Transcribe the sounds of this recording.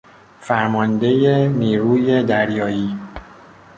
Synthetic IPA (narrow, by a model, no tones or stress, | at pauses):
fæɾmɒnd̪e̞jeniːɾuːjed̪æɾjɒːjiː